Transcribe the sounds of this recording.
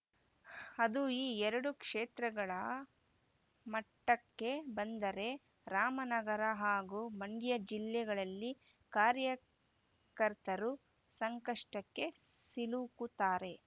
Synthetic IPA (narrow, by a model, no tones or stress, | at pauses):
ɐd̪uiːɛɾɐɽukʂeːt̪ɾɐɡɐɭɐ | mɐʈːɐkːe̞bɐnd̪ɐɾe̞ | ɾaːmɐnɐɡɐɾɐɦaːɡumɐɳɖjɐd͡ʒilːɛɡɐɭɐlːi | kaːɾjɐ | kɐɾt̪ɐɾu | sɐŋkɐʂʈɐkːe̞ | silukut̪aːɾe̞